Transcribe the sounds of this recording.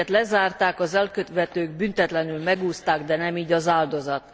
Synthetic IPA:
ɛt̪lɛzaːrt̪aːkɒzɛlkøt̪ʋɛt̪øːɡbynt̪ɛt̪lɛnylmɛɡuːst̪aːɡd̪ɛnɛmiːɟɒzaːld̪o̞zɒt̪

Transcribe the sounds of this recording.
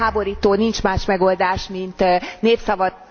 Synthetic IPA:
aːbo̞ɾiːt̪oːnint͡ʃmaːʃmɛɡo̞ld̪aːʃmint̪neːpsɒvɒ

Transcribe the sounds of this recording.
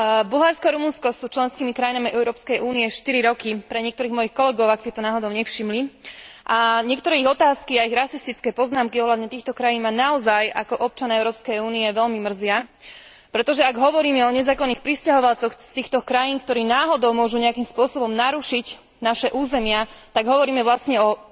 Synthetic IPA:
bulɦaɾskɔaɾumunskɔsuːt͡ʃlɛnskiːmikɾajinamiʔɛʊɾɔːpskɛjʔuːniɛʃt̪iɾiɾɔkipɾɛɲɪɛkt̪ɔɾiːɣmɔjixkɔlɛɡɔʊaksit̪ɔnaːɦɔd̪ɔʊɲɛfʃimliʔaɲɪɛkt̪ɔɾɛːiɣɔt̪aːskiaiɣɾasist̪it͡skɛːpɔznaːmkiɔɦlad̪ɲɛt̪iːxt̪ɔkɾajiːnmanaɔzajakɔʔɔp̚t͡ʃanaɛʊɾɔːpskɛjuːniɛʋɛʎmimr̩zɪa | pɾɛt̪ɔʒɛaɡɦɔʋɔɾiːmɛɔɲɛzaːkɔnːixpɾiscaɦɔʋalt͡sɔxst̪iːxt̪ɔkɾajiːnkt̪ɔɾiːnaːɦɔd̪ɔʊmʊɔʒuɲɛakimspʊɔsɔbɔmnaɾuʃic | naʃɛʔuːzɛmɪat̪aɡɦɔʋɔɾiːmɛʋlasɲɛɔ

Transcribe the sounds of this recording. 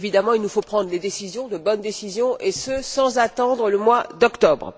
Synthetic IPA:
vid̪amɑ̃ilnufopχɑ̃d̪ʁled̪esizjɔ̃d̪əbɔnd̪esizjɔ̃esəsɑ̃zat̪ɑ̃d̪ʁələmwad̪ɔkt̪ɔbʁə

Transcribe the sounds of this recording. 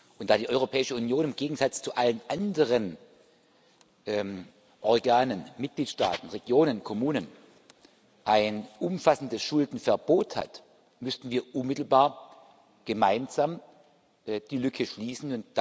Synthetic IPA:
ʔʊntd̥aːdiːʔɔʏʁopʰɛːɪʃəunjoːnɪmɡeːɡŋ̩zat͡st͡suʔalənʔandəʁ̞ən | ʔɛ | ʔɔɐɡaːnənmɪt̚ɡ̥liːtʃta̰ːtn̩ʁeɡ̥joːnənkʰɔmuːnən | ʔaɪnʔʊmfasn̩dəsʃʊldn̩fɛɐboːtha̰t | mʏstn̩viːɐʔʊnmɪtl̩baːɐ | ɡ̥əmaɪnz̥am | ʔd̥iːlʏkʰəʃliːsn̩ʊnt̚d̥

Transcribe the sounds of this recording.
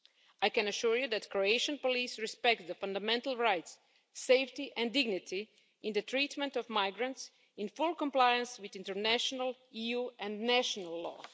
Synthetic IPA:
ʔajkɛ̃nəʃuɹjuðætkɹoeɪʃə̃npɔlisɹɪspɛk̚td̪əfãndamɛ̃ntəl̩ˠɹajtsː | eɪftiʔɛ̃ndɪɡnɪtʰi | ɪ̃nd̪ətʰɹitmɛ̃ntɔvmaɪɡɹə̃nts | ɪ̃nfʊlˠkɔ̃mplajə̃nswɪðɪ̃ntəɹnæʃɔnəlijuɛ̃nnæʃɔnalˠːɔ̰

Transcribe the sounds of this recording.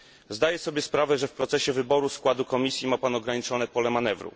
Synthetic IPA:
zd̪ajɛsɔbʲjɛspɾavɛʐɛfpɾɔt̪sɛɕɛvɘbɔɾuskwad̪ukɔmʲisʲjimapanɔɡɾaɲit͡ʂɔnɛpɔlɛmanɛvɾṵ

